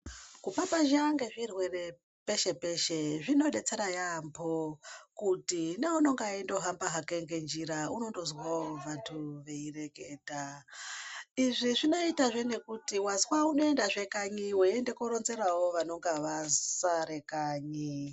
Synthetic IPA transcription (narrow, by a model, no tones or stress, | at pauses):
kupapaʒaŋɡe̞ʐirwe̞re̞ | pe̞ʃe̞pe̞ʃe̞ʐino̞ɗe̞t͡se̞ɾajambʰokutineuno̞ŋɡaindo̞ɦambaɦakeŋɡe̞nd͡ʒiɾauno̞ndo̞zwaoʋantʰuʋe̞ire̞keːta | iʐiʐino̞itaʐe̞ne̞kutiwazwauno̞e̞ndaʐe̞kaɲiweende̞koɾonze̞ɾawo̞ʋano̞ŋɡaʋasaɾe̞kaːɲi